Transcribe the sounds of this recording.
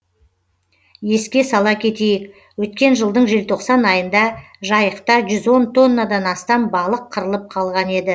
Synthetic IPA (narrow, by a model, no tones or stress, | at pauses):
je̞skʲe̞sɑlˠɑkʲʰe̞t̪e̞jɪk | wɵt̪̚kʲe̞nʒəlˠd̪əɴʒe̞lt̪ʰo̞qsɑnɑjənd̪ɑ | ʒɑjəqt̪ɑʒʏzwo̞nt̪ʰo̞nːad̪ɑnɑst̪ɑmbɑlˠəqʰːəɾəlˠəp̚qʰɑlˠʁɑne̞d̪ɪ